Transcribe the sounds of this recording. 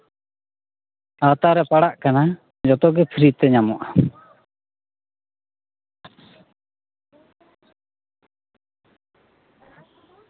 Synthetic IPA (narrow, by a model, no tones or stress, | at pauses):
at̪aɾɛpaɽaʔkana | d͡ʒɔt̪ɔɡɛpʰiɾit̪ɛɲamɔʔa